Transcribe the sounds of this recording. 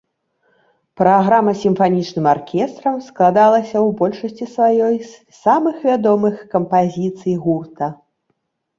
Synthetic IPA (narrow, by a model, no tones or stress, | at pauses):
pɾaɣɾamɐsʲimfanʲit͡ʂnɨmarkʲʰɛst̪ɾɐmsklˠad̪alˠɐsʲɐwbɔlʲʂɐsʲt͡sʲisvajɔj | samɨxvʲad̪ɔmɨxkɐmpazʲit̪sɨjɣurt̪ɐ